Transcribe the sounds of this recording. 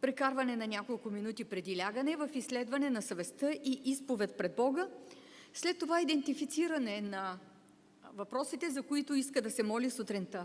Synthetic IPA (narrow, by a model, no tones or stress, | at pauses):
pɾɛkaɾvɐnɛnɐnʲakolˠkʊminut̪ipɾɛd̪ilʲaɡənɛvɐfislɛd̪vɐnɛnɐsɐvɛst̪əʔiʔispovɛt̪̚pɾɛd̪̚bɔɡə | slɛt̪ːovaid̪ɛnt̪ifit̪siɾɐnɛnɐ | vɐpɾɔsit̪ɛzɐkoit̪ʊiskəd̪ɐsɛmɔlisut̪ɾint̪ə